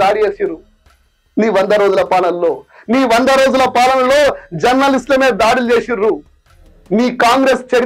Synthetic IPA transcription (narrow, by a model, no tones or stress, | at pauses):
aːɽit͡ʃeːsiɾu | niːʋɐnd̪ɐɾoːd͡ʒulɐpaːnɐlːo̞ː | niːʋɐnd̪ɐɾo̞ːd͡ʒulɐpaːlɐnɐlo̞ːd͡ʒɐɾnːɐlisʈlɐme̞ːd̪aːɽilt͡ʃe̞ːsiɾu | niːkaːŋɡɾe̞ːst͡ʃɐɽ